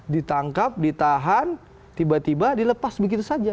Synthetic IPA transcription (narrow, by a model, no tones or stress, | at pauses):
dit̪aŋkap̚dit̪aɦan | t̪ibat̪ibadiləpasbəɡit̪usad͡ʒa